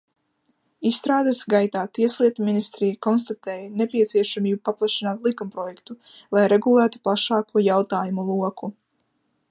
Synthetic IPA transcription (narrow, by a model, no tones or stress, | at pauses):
isːt̪ɾaːd̪asɡajt̪aːt̪iɛslˠiɛt̪uminist̪ɾijakɔnst̪at̪ɛːjanepiɛt̪siɛʃamiːbupaplˠaʃinaːt̪lˠikumpɾɔjɛkt̪u | lˠajɾɛɡulˠæːt̪u̥plˠaʃɑːkuɔjawt̪aːjumulˠuɔku